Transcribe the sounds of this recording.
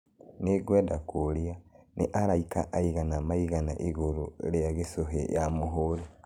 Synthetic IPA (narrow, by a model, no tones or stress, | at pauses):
neɡwɛːdakoɾianeʔaɾaika̰ʔaiɣanamaiɣana̰ʔiɣoɾoɾeaɣesoɦḛjamoɦoɾe